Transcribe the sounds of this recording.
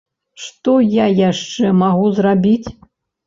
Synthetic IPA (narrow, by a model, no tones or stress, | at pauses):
ʂt̪ɔjajaʂt͡ʂɛmaɣuzrabʲit͡sʲ